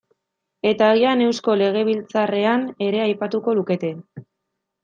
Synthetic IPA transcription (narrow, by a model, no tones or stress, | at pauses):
e̞t̪aːɣiane̞wsko̞le̞ɣ̞e̞β̞ilt͡sare̞ane̞ɾe̞ajpat̪uko̞luke̞t̪e̞